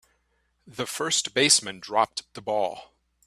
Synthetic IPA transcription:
ðɨfɜ˞stb̥eɪsmɨ̃ndɹɑp̚tðəbɔ̰lˠ

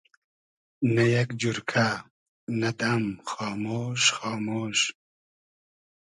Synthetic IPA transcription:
nɐjɐkd͡ʑuɾkʰa | nɐt̪ɐmxɑːmoːʃxɑːmoːʃ

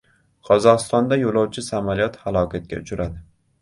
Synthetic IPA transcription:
qʰɒzɒʁɨst̪ɒnd̪ajolˠɒwt͡ʃʰɪsamalijɒt̪halˠɒkʰʲat̪̚kʲa̰ʊt͡ʃʰʊɾʔad̪ɪ

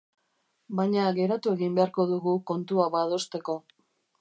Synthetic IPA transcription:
bajɲaɣe̞ɾat̪ue̞ɣimbe̞aɾko̞ðuɣuko̞nt̪uaβað̞o̞st̪e̞ko̞

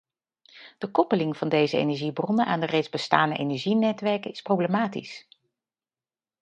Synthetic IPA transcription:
d̥əkɔpəlɪŋv̥ɑndejzəḛjnɛɹʒibrɔnənʔaːndərejdzbəstaːndəʔḛjnɛɹʒinɛtʋɛɹkəɪsprowblemaːtḭs

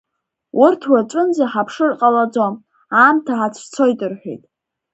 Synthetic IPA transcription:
wʔʊrtʰwaʈ͡ʂʷʼɨnd͡zaħapʰʂɨrqʼalad͡zam | aːmtʰaħat͡sʷʰt͡sʰo̞jtʼɨrħʷᶣḛjtʼ

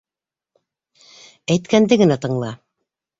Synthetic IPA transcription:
æjt̪kænd̪ɘɡɘ̆næt̪ɤ̆ɴlˠɑ

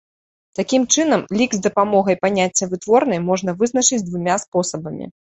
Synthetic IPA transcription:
t̪akʲimt͡ʂɨnɐmlʲiɡzd̪ɐpamɔɣɐjpanʲat͡sʲːɐvɨt̪vɔrn̪ɐjmɔʐnɐvɨznɐt͡ʂɨd͡zʲd̪vumʲaspɔsɐbɐmʲḭ

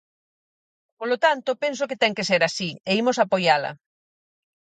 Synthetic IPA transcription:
polot̪ant̪opensoket̪ɛŋkeseɾasieimʊsapojalɐ̰

